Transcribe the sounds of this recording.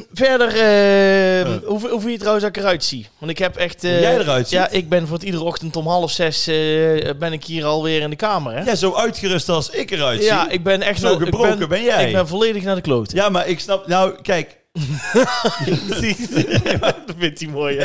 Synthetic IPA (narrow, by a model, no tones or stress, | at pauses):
vɛɹdərə | uɦuvɪljətrawənsɔɪkərœɥtsiʋɑntɪkɦɛpɛxtːjɛjdəʁœɥtsjaʔɪɡ̚bɛnvoːrətidərəɔxtəntɔmɦɑlˠəfsɛsəbɛnɪkhiːrɑlˠʋɪːrɪndəkaːmərɛjazowœɥtxərʏstɑlˠsɪkərœɥtjaɪɡ̚bɛnɛxɣəproɛnkəbɛnjɛɪɡjɡbɛnvolejdəxnaːdəklowtəjamaɹɪksnɑpnowkɛjk | psi | dfɪntimoːj